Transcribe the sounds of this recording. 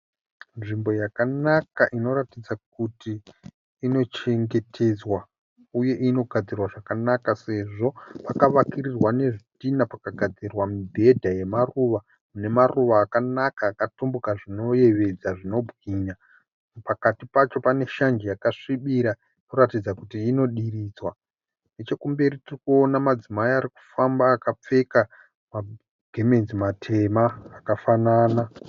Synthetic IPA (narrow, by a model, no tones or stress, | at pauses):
nʐimbo̞jakanakaʔino̞ɾatid͡zak̚utiː | no̞t͡ʃe̞ŋɡe̞tʰe̞d͡zwa | uje̞ʔino̞ɡʱad͡zirwaʐakanakase̞ʐo̞pakaʋakirirwane̞ʐitinapakaɡʱad͡zirwamibʱe̞dʱaje̞maruʋa | mune̞maruʋaːkanakaːkatombukaʐino̞je̞ʋe̞d͡zaʐino̞bʱɣiɲa | pakatipat͡ʃo̞pane̞ʃand͡ʒijakaʂiɓiɾa | noratid͡zakutiːno̞ɗiriːd͡zwa | net͡ʃe̞kumbe̞ɾitirikuo̞namad͡zimaiaɾiku̥fambaːkap͡fe̞ka | ma | ɡʱeme̞nzimatʰe̞maːkafanaːna